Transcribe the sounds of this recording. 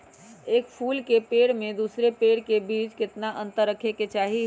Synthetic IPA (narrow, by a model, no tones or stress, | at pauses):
eːkpʰuːlkepeːɽmẽd̪uːsɾepeːɽkebiːd͡ʒkɪt̪naʔə̃nt̪əɾːəkʰeket͡ʃaːɦi